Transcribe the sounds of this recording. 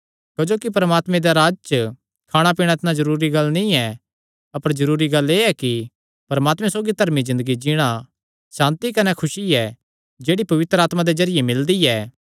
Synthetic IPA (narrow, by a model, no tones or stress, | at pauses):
kɐd͡ʒoːkip̬ɐɾəmaːt̪mɛ̃d̪aɾaːd͡ʒt͡ʃə | kʰaːɽ̃ap̬iːɽ̃aɪt̪ɪnãzɐɾuːɾiɡɐlːnĩɛ | ɐpəɾzɐɾuːɾiɡɐleːɛki | pɐɾmaːt̪mɛ̃soːɡit̪ɐɾmizɪ̃nd̪əɡid͡ʒiɽ̃a | sãːnt̪ikɐnɛkʰʊsiɛ | d͡ʒeːɽipɐʋɪt̪ɾəaːt̪mad̪ezɐɾɪjemɪld̪iɛː